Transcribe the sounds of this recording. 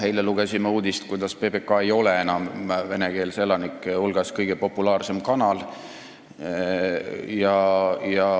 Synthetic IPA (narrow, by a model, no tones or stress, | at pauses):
he̞jleluɡ̥e̞simːɑuːd̪̥ist̪kujd̪̥ɑspe̞be̞kːˑɑe̞jo̞lee̞nɑmve̞neke̞ːlse̞lɑnikːˑulɡ̥ɑskɤjɡ̥e̞po̞pːulɑːrse̞mkɑnɑl | jɑjɑ